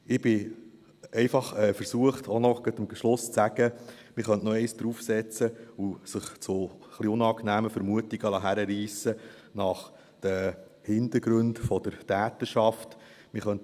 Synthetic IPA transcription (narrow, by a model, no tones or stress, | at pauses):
ɪb̥ɪ | ɛɪfɑχɛːfəɾsuəχtʰɔnɔɡ̥ətɪmʃlʊst͡sæɡə | mɪɾχœnʔnɔɛɪjsd̪̥ɾufsɛt͡səusəχt͡sʊχliʊnɑːknæːməfəɾmuətiɡ̥əlɑɦæɾəɾiːsə | nɑχ | d̥ə | hɪnd̪əɾɡɾɵndfɔd̥̪əɾtæːtəɾʃɑft | mɪχœnt